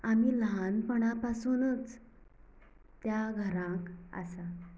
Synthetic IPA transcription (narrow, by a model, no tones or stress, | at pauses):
amiːlɦanpəɳapasuːnət͡s | t̪jaɡʱəɾãka̰sa